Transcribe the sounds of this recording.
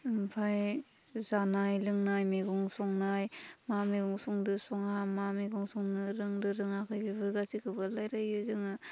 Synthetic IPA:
mpʰaj | zanajlɯŋnajmeɡɔŋsɔŋnajmameɡɔŋsɔŋdɯsɔŋamameɡɔŋsɔŋnɯɾɯŋdɯɾɯŋakʰɯjbibɯɾɡasikʰɯbɯlajɾajɯzɯŋɯ

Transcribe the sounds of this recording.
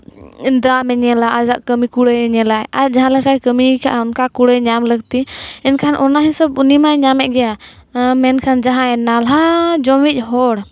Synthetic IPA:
nd̪ɾamɛɲɛlaʔad͡ʒaʔkəmikuɽɛɛɲɛlajad͡ʒaɦãləkajkəmikʰaʔɔnkakuɽɛɲamləɡ̚t̪iɛnkʰanʔɔnaɦɛ̃səbunimajɲamɛʔ̚ˀɡɛja | mɛnkʰand͡ʒaɦãɛnalɦad͡ʒɔmic̚ˀɦɔɽ

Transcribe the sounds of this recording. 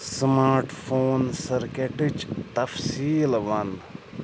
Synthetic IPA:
smaːɾʈfʰoːnsɐɾkeʈɪt͡ʃt̪ɐfsiːlʋɐn

